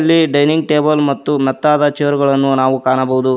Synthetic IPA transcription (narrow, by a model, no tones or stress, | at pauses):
lːiɖɐjniŋɡ̚ʈe̞ːbɐlmɐt̪ːumɛt̪ːaːd̪ɐt͡ʃeːʋɐɾuɡɐɭɐnːunaːʋukaːnɐbɐɦud̪u